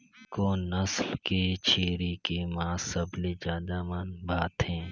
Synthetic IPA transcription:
konəslket͡ʃʰeːɾikemãːsəbled͡ʒaːd̪amanbʱaːt̪ɦɛ̃ː

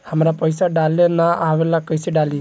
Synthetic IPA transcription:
hamɾapəjsaɖalenaawelakəjsiɖali

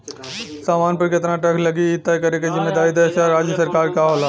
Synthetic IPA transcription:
saːmaːnpɐɾkɪt̪naʈɛkʰlɐɡit̪ːakɐɾekezɪmːeːd̪aːɾid̪ɛsaɾaːd͡ʒjəsɐɾkaːɾkaɦoːlaː

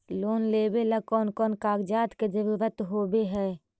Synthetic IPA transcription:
loːnleːbelɐkɔːnkɔːnkaːɡd͡ʒaːt̪ked͡ʒəɾuːɾət̪ɦoːbeɦɛː

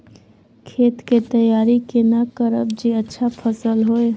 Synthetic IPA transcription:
kʰeːt̪ket̪əjaːɾikenakəɾə̰b̚d͡ʒiətːʃʰapʰəsəlɦoe

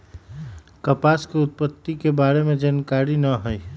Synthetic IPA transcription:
kəpaskeut̪̚pət̪ːikebaɾemed͡ʒankaɾinəɦəj

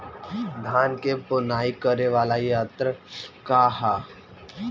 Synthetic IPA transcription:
d̪ʱaːnkepʊnaːikəɾeʋaːlajaːt̪ɾəkaha

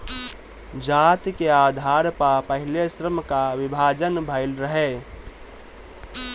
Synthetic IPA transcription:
d͡ʒaːt̪keaːd̪ʱaːɾpapəɦɪlesɾəmkaʋɪbʱaːd͡ʒənbʱəɪlɾəɦɛ

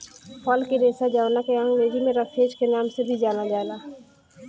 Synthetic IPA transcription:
pʰɔːlkiɾeːsad͡ʒaːʋnakeə̃ŋɡɾeːzimẽɾəkʰeːd͡ʒkenaːmsebʱid͡ʒaːnalaːlaː

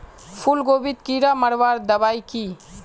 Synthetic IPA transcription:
pʰulɡoːbit̪kiɾaməɽʋaːɾd̪əbaːiki

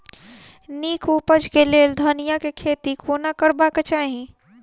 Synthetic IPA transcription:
niːkʰupəd͡ʒkeleːld̪ʱənijakekʰeːt̪ikʰoːnakəɾbaket͡ʃaːɦĩ

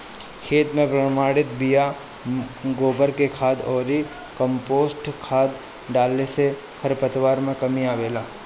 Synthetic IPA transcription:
kʰeːt̪mẽpɾɐmaːɽɪt̪bija | ɡoːbəɾkekʰaːd̪ɔːɾi | kə̃mpoːsʈkʰaːd̪ | ɖaːlːese | kʰɐɾpət̪waːɾmẽkɐmiaːʋeːlaː

